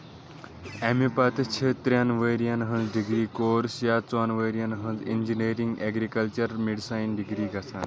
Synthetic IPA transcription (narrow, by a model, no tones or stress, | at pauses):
ɛmipat̪t͡ɕʰet̪ɾjanʋəɾijanɦə̃nd͡zɖiɡɾiːkoɾsjat͡sanʋəjɾijanɦə̃nd͡zind͡ʑineɾĩŋɡɛɡɾikəlt͡ɕəɾmiɽsajnɖiɡɾiːɡʱasan